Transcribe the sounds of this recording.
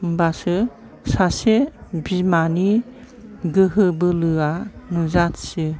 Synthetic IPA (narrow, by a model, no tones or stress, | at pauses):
mbasɯ | sasebimani | ɡɯɦɯbɯlɯanuzatsɯ